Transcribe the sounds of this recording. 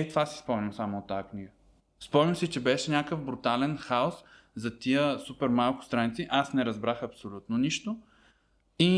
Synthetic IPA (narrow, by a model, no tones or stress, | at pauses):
ɛt̪ovasi̥spɔmniwˠsamoot̪ːakniɡə | spɔmnəwsit͡ʃɛbɛʃɛnʲakəvbɾut̪alɛnxaos | zɐt̪iəsupɛɾmalˠkʊ̥st̪ɾanit̪siʔasnɛɾɐzbɾaxɐpsolʲut̪noniʃt̪o | i